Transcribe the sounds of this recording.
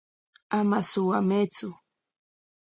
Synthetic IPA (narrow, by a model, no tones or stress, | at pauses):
amasʊwamet͡sʊ